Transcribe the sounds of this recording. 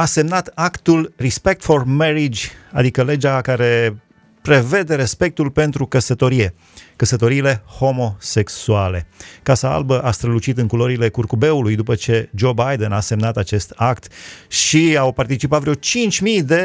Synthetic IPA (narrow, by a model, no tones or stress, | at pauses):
ase̞mnat̪akt̪ulrispe̞k̚t̪fo̞rmeɾid͡ʒʲa̰d̪ikəle̞d͡ʒakaɾe̞ | pɾe̞ve̞d̪e̞ɾe̞spe̞k̚t̪ulpe̞nt̪ɾukəsət̪o̞ɾije̞ | kəsət̪o̞ɾiːle̞ho̞mo̞se̞ksuale̞̰kasaa̰lbəʔast̪ɾəlut͡ʃit̪ɨŋkulo̞ɾile̞kurkube̞ulujd̪upət͡ʃe̞d͡ʒo̞bajd̪enase̞mnat̪at͡ʃe̞st̪akt̪ʃiawpart̪it͡ʃipat̪vɾeot͡ʃint͡ʃʲmijd̪e̞